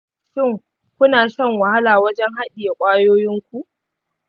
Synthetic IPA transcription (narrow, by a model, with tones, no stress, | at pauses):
ʃɪ˦˨ŋ | kʷʊ˦naː˨sɐ˦˨ŋwɐ˨ha˦laː˨wɐ˦d͡ʒɛ˦ŋɦa˦ɗʲiː˨ja˨kʷʼaː˦joː˦jɪ˦ŋkʷu˦ʔ